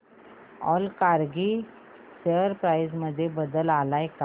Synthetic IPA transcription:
ɔ̰lkaɾɡi | seəɾpɾajzməd̪ʱːjebəd̪əlalaeka

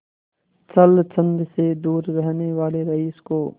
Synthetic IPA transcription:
t͡ʃəlt͡ʃə̃nd̪sed̪uːɾːɛɦneʋaːleɾɐɦiːskoː

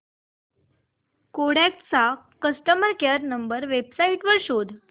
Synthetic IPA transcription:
koɽakʈt͡sa | kəsʈəməɾkeɾnəmbəɾʋebsaiʈʋəɾɕod̪ʱ

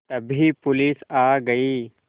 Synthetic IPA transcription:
t̪ɐbʱipʊliːsaːɡɐiː

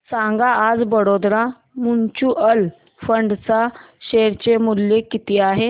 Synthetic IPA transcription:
sãŋɡaːd͡zbəɽod̪ɾa | munt͡ɕuːʔəl | fəɳɖt͡sa | ɕeɾt͡ɕemuljekːit̪iaɦe

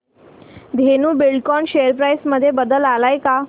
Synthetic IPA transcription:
d̪ʱenuːbilkɔnɕejəɾpɾajsməd̪ʱːjebəd̪əlalajka

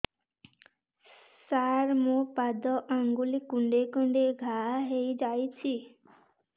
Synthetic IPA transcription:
saɾmũpad̪ɔʔaŋɡulikuɳɖekuɳɖeɡʱaɦejd͡ʒajt͡ʃʰi

